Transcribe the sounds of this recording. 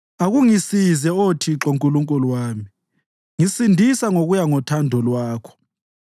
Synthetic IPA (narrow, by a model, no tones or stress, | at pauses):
aɣuŋisizɛotʰiǁoŋkʼuluŋkʼulwaːmi | ŋisindʱisaŋoɣujaŋɔtʰandʱɔlwaːkʰɔ̥